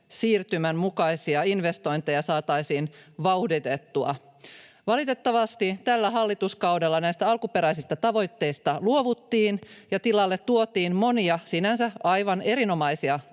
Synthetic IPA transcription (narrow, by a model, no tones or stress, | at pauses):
siːrt̪ymæmmukɑisiɑinʋest̪o̞jnt̪ejɑsɑːt̪ɑisiːnʋɑuhdit̪et̪ːuɑ̰ | ʋɑlit̪e̞t̪ːɑʋɑst̪it̪ælːæɦɑlːit̪uskɑwdelːɑnæjst̪æɑlkupe̞ɾæisist̪ɑt̪ɑʋo̞jt̪ːe̞ist̪ɑluoʋut̪ːiːnjɑt̪ilɑlːet̪tuot̪iːnmo̞niɑsinænsæɑjʋɑne̞ɾino̞mɑisiɑ